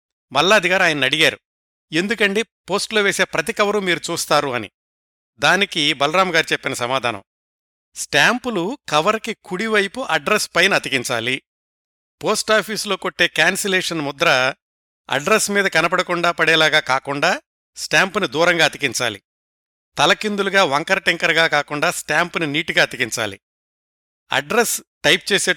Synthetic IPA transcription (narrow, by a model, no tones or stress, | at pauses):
mɐlːaːɐd̪iɡaːɾaːjɐnɐnɐɽiɡaːɾu | e̞nd̪ukɐɳʈeːpo̞ːsʈloːʋeːse̞ːpɾɐt̪ikɐʋɐɾumiːɾut͡ʃuːst̪aːɾuɐnḭ | d̪aːnikibɐlɐɾaːmɡaːɾit͡ʃepːinɐsɐmaːd̪ʱaːnɐ̰m | sʈaːmpulukɐʋɐɾkikuɽiʋɐjpuʔɐɖɾespɐjnɐɐt̪ikiɲt͡ʃa̰ːli | po̞ːsʈaːpʰiːslo̞ːkoʈːe̞ːkaːnsɐleːʂɐnmud̪ɾɐ | ɐ̰ɖɾesmiːd̪ɐkɐnɐpɐɽɐkuɳɖaːpɐɽɛːlaːɡaːkaːkuɳɖaː | sʈaːmpunid̪uːɾɐŋɡaːt̪ikiɲt͡ʃa̰ːlḭ | t̪ɐlɐkind̪uluɡaːʋɐŋkɐɾɐʈeŋkɐɾɡaːkaːkuɳɖaːsʈaːmpuniniːʈuɡaːɐt̪ikiɲt͡ʃa̰ːlḭ | ɐ̰ɖɾesʈɐjp̚t͡ʃeːse̞ː